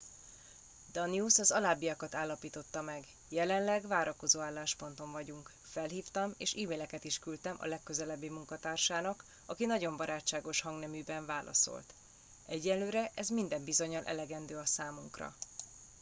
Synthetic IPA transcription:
d̪̥ɒniusɒzɒlaːbijɒkɒt̪aːlːɒpiːt̪o̞t̪ːɒmɛɡ | jɛlɛnlɛɡʋaːɾʔɒko̞zoːaːlːaːʃpo̞nt̪o̞ɱvɒɟuŋk | fɛlɦiːft̪ɒmeːʃiːmeːlɛkɛt̪iʃkylt̪ɛmʔɒ̰lɛkːø̞zɛlɛbːeːmuŋkɒt̪aːrʃaːnɒk | ɒkinɒɟo̞mbɒɾʔaːt͡ʃːaːɡo̞ʃhɒŋɡnɛmyːbɛɱvaːlʔɒ̰so̞̰lt̪ | ɛɟːɛnløːɾɛʔɛzmind̪ɛmbizo̞ɲɒlʔɛ̰lɛɡɛnd̪øːɒsaːmuŋkrɒ̰

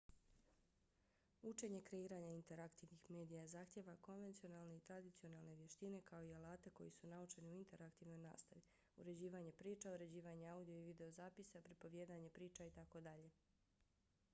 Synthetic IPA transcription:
ut͡ʃe̞ɲe̞kɾe̞iːɾaɲaint̪e̞ɾakt̪iːʋnixme̞ːd̪ijazaːxt̪je̞ʋako̞nʋe̞nt̪sio̞nalˠne̞it̪ɾad̪it̪sio̞nalˠne̞ʋje̞ʃt̪ine̞kao̞ialˠaːt̪e̞ko̞̰jisunaut͡ʃe̞niuint̪e̞ɾakt̪iːʋno̞jna̰ːst̪aʋi | ṵɾe̞d͡ʑiːʋaɲe̞pɾiːt͡ʃauɾe̞d͡ʑiːʋaɲeaud̪ijo̞iʋid̪e̞o̞zaːpisapɾipo̞ʋjeːd̪aɲe̞pɾiːt͡ʃait̪ako̞d̪aʎe̞

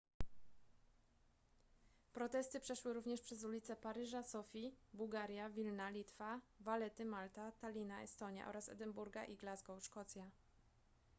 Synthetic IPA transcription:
pɾɔt̪ɛst̪ɘpʂɛʂwɘɾuvɲɛʂpʂɛzulʲit̪sɛpaɾɘʐasɔfʲibuwɡaɾʲjavʲilnalʲit̪favalɛt̪ɘmalt̪at̪alʲinaɛ̰st̪ɔɲja̰ʔɔ̰ɾasɛ̰d̪ɛmbuɾɡaʔiɡlazɡɔwʂkɔt̪sʲja

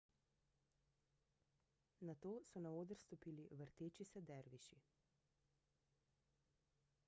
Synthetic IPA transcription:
nat̪oːsɔnaoːd̪əɾst̪ɔpiːliʋəɾt̪eːt͡ʃisɛd̪ɛɾʋiʃi

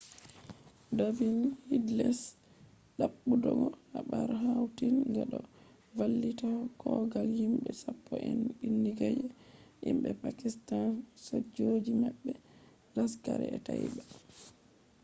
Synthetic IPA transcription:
davinhidlɛs | ɗaɓːudɔɡɔhaɓaɾɦawtinɡaɗɔ | valːitawkɔɡalhimɓɛsapːɔʔɛnɓinːiɡajɛʔimɓɛpakistansod͡ʒod͡ʒimɛɓːɛ | laskaɾɛ̰ɛtajiba

